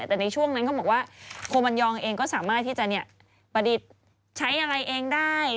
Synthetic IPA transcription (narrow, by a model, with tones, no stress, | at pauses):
t̪ɛː˨˩na˧jt͡ɕʰu˥˩əŋna˦˥nkʰbɔ˨˩k̚waː˥˩kʰoː˧ma˧njɔː˧ŋʔeː˧ŋkɔː˥˩saː˩˦maː˥˩t̪ʰːiː˥˩t͡ɕa˨˩ʔni˥˩ɐ | pa˧di˨˩t̪̚ | t͡ɕʰa˦˥jʔa˧ɾa˧jʔeː˧ŋdaː˥˩j